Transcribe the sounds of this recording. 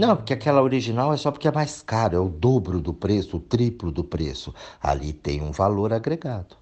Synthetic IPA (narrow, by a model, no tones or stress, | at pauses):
nɐ̃w̃pʊɾkeakɛlɐoɾiʒinawɛsɔpʊɾkɪɛmajskaɾʊɛʊd̪obɾʊd̪ʊpɾesʊːt̪ɾiplʊd̪ʊpɾesʊa̰lḭt̪ẽj̃ṵ̃valoɾaɡɾeɡad̪ʊ